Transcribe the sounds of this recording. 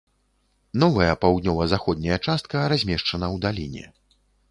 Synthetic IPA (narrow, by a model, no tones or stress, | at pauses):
nɔvɐjɐpawd̪nʲɔvɐzaxɔd̪̚ʲnʲɐjɐt͡ʂast̪̚kɐɾazʲmʲɛʂt͡ʂɐnɐwd̪alʲḭnʲɛ̰